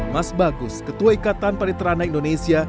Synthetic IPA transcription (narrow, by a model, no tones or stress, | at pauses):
masbaɡʊskət̪uaikat̪anpadit̪əɾanaindonesia